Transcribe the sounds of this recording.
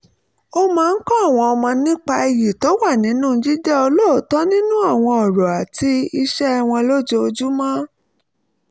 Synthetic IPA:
o˧mãː˨˦˧n̩˦kɔ̃˦a˦˨w̃ɔ̃˧ɔ˧mɔ̃˧nĩ˦k͡pa˧i˧ji˨to˨˦wa˦˨nĩ˨˦nũ˦˧d͡ʒi˦d͡ʒɛ˦o˧lo˦˨tɔ˦nĩ˦nũ˦a˦˨w̃ɔ̃˧ɔ˨ɾɔ˨a˨ti˧i˧ʃɛ˦˧w̃ɔ̃˧lo˦d͡ʒo˧o˧d͡ʒu˦mã˦

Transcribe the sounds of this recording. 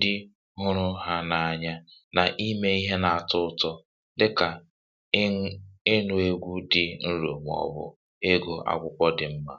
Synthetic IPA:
dɪ˦ | ɦʊ˦ɾʊ˦ɦa˦na˨a˨ɲa˦ | na˨ʔi˦me˦i˦ɦe˦na˨a˨tʊ˦tɔ˦ | dɪ˦ka˨ | ɪ˦nʊ˨e˦ɡʷu˦dɪ˨n̩˦ɾo̰˨m˨ɔ̰˨bʊ̰˦ | e˦ɡo˦ʔa̰˦kʷʊ˦kʷɔ˦dɪ˨m̩˦ma˦

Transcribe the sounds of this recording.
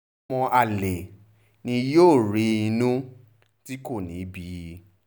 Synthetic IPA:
ɔ̃˧ʔa˨le˨ | nĩ˧joː˦˨ɾi˧˦i˧nũ˦ | ti˦ko˦˨nĩ˨˦bi˧

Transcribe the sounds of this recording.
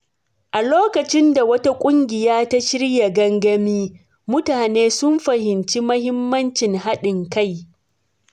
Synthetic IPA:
ʔa˨loː˦kɐ˨t͡ʃɪ˦nda˨wɐ˦ta˦kʷʼʊ˦ŋɡʲɪ˨jaː˦ta˦ʃɪ˦ɽja˨ɡɐ˦ŋɡɐ˦miː˦ | mʊ˦taː˨neː˦sʊ˦mɸɐ˨hɪ˨nt͡ʃi˦mɐ˦hɪ˦mːɐ˦nt͡ʃɪ˨ŋha˦ɗɪ˨ŋka˦˨j

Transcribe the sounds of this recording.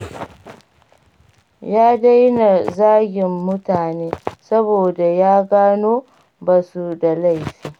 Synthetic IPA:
jaː˦da˦jna˨zaː˦ɡʲɪ˨mːʊ˦taː˨neː˦sɐ˦boː˨da˨jaː˦ɡaː˦noː˦ | ba˨su˦da˨la˦˨jɸiː˦

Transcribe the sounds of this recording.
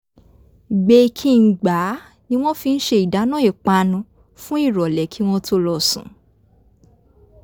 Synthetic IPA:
ɡ͡be˧kʰĩ˧˦˧ɡ͡ba˨˦ | nĩ˦w̃ɔ̃˦fi˧n̩˦ʃe˧i˨da˨˦nã˦˨e˨k͡pa˧nũ˧ | fũ˦i˦˨ɾɔ˨lɛ˨˦kʰi˨˦w̃ɔ̃˦tʰo˦lɔ˧˨sṵ̃˨˦

